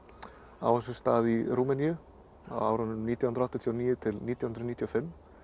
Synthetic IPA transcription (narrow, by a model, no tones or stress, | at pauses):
a̰ːwvansʏst̪aːðiɾuːmɛnijʏ | a̰wa̰ːwɾɔnːʏnniːt̪jawhnɾɔht̪ɪt̪ʰjiɔniːjɪt̪ʰɪlniːt̪jahnɾniːt̪ʰjɔfɪmː